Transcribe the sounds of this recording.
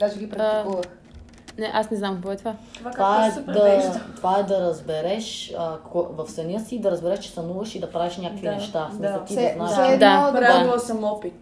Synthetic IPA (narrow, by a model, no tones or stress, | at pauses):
ɡaʒɡʲipɾkuvəx | nɛʔasnɛznamkɔɛt̪vavaɛd̪ɐt̪vaɛd̪ɐɾɐzbɛɾɛʃəɔvɐfsɐnʲəsid̪ɐɾɐzbɛɾɛʃt͡ʃɛ̥st̪ɐnuvɐʃid̪ɐpɾaviʃnʲakəkvinɛʃt̪anɐt̪iɛnaɛd̪aɾauosɐmˠɔpi